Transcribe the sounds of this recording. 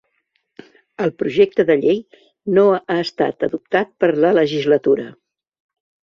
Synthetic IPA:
əlˠpɾuʒɛk̚t̪əðəʎej | noaəst̪a̰t̪əðup̚t̪at̪̚pəɾlələʒizlət̪uɾə

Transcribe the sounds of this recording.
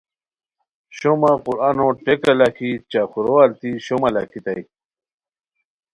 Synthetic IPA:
ɕomaquɾanoʈekɐlakʰit͡ɕakuɾoalt̪iɕomɐla̰kʰit̪aj

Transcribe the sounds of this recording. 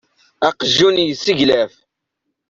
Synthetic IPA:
ɑqʒːunjəsːiʝlæf

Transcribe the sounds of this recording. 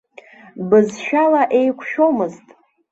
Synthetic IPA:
bɨzʃᶣalaʔe̞jkʷʰʃo̞mɨztʼ

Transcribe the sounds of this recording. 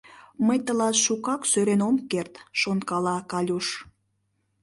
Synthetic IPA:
məjt̪əlɑt̪ʃukɑksøɾenomkert̪ʃonkɑlɑkɑlʲuʃ

